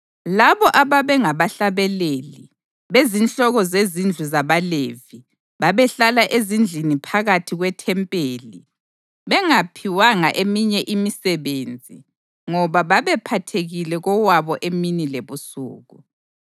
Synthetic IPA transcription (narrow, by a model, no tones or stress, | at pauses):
laβɔʔaβaβɛŋaβaɬaβɛleːli | βezinɬɔɣɔzezind͡ɮʱuzaβalevi | βaβɛɬalaʔezind͡ɮʱinipʰaɣatʰiɣwɛtʰɛmpʼeːli | βɛŋapʰiwaŋaʔemiɲɛʔimisɛβend͡zʱi | ŋɔβaβaβɛpʰatʰeɣilɛɣɔwaβɔʔeminileβusṵːɣu